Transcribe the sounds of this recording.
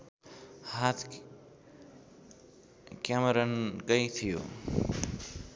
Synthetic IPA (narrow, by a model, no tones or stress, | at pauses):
hat̪ʰ | kamʌɾʌnkʌjt̪ʰijo̰